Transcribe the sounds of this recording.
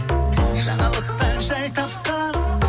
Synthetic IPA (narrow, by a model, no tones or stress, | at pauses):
ʒɑ̰ɴɑlˠəqt̪ɑʒɑjt̪ɑp̚qɑ